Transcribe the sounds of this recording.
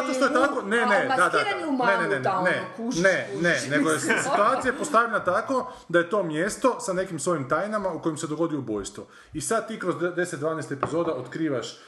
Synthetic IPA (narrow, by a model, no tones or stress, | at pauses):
at̪oʃt̪ojet̪akonened̪ad̪aaneneneneneunenene̞ɡojessit̪uaːt̪ijapost̪aʋʎʲenat̪ako̞ | d̪aje̞t̪o̞ːmje̞st̪o̞sane̞kimsʋo̞jimt̪ajnamauko̞jimsed̪o̞ɡo̞d̪ioubo̞̰jst̪ʋo̞̰ | isad̪̚t̪ːiːkɾozdd̪e̞set̪̚d̪ʋaːnest̪epizo̞ːd̪aot̪kɾiːʋaʃ